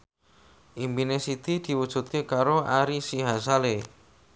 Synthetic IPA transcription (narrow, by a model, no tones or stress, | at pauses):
ʔimbinesit̪id̪̥i̤wud̥ʒ̥ṳt̪̚kekaɾoʔaɾisiɦasale